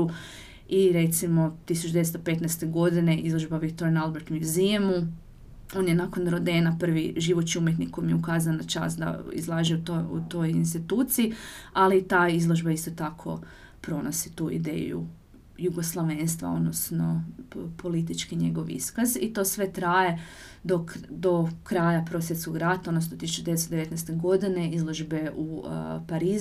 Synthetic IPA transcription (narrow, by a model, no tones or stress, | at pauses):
iɾet̪simo̞t̪isut͡ʃud̪eest̪ope̞t̪nɛst̪e̞ɡo̞d̪ine̞ʔizlˠo̞ʒbaʋikt̪oɾanalˠbeɾt̪mjuziemu | o̞ːnjenakonɾod̪eːnapr̩ʋiʒiʋot͡ʃiumjet̪nikomjeukaːzanat͡ʃa̰sd̪a̰ḭzlˠaːʒiut̪oṵt̪o̞jinst̪it̪uːt̪siialit̪aːizlˠo̞ʒbaist̪o̞t̪akʰo̞̰ | pɾo̞nosi̥t̪uːḭd̪ḛːj̰ṵ | juɡoslˠaʋenst̪ʋa̰o̞̰d̪nosno̞pʰo̞lit̪it͡ʃkiɲe̞̰ɡo̞ʋḭskazit̪o̞ːsʋe̞t̪ɾaːje̞ | d̪okd̪o̞kɾaːjapɾosjet̪skoɡɾat̪aodnosnot̪isut͡ʃud̪eeesd̪eʋe̞t̪nɛst̪eɡo̞d̪ine̞izlˠo̞ʒbe̞ʔupaɾiːz